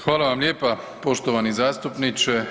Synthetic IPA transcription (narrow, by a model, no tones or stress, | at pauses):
xʋaːlaʋamljeːpa | po̞ʃt̪oʋanizaːst̪upnit͡ʃɛ